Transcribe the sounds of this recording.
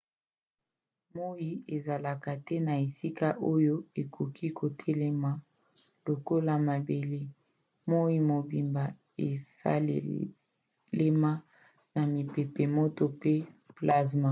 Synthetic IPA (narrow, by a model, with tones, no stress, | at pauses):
mo˦ji˦e˨za˨la˨ka˨tɛ˦na˨e˨si˦ka˦ʔo˦jo˦e˨kʰo˨kʰi˦kʰo˨tʰɛ˦lɛ˦ma˨ | lo˨ko˦la˦˨ma˨be˨le˦ | mo˦i˦mo˨bi˨mba˨ | e˨sa̰˦l̰ | le˦ma˦ | na˨mi˨pe˨pe˨mo˦to˦pe˦pla˦s̬ma˨